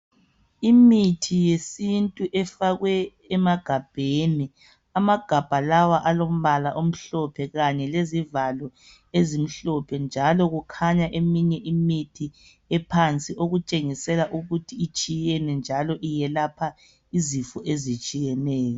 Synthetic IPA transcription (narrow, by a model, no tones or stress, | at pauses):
imitʰijesintʼuʔɛfaɣwɛː | maɡ̥ʱab̥ʱeni | amaɡ̥ʱab̥ʱalawaʔalom̩βalaʔom̩ɬɔpʰɛɣaɲɛlezivalɔ | ezim̩ɬɔpʰɛnd͡ʒʱalɔɣukʰaɲaʔemiɲɛʔimitʰi | ɛpʰant͡sʼiʔoɣut͡ʃʼeŋisɛlaʔuɣutʰiːt͡ʃʼijɛnɛnd͡ʒʱalɔʔijɛlapʰa | izifɔʔezit͡ʃʼijɛnɛːjɔ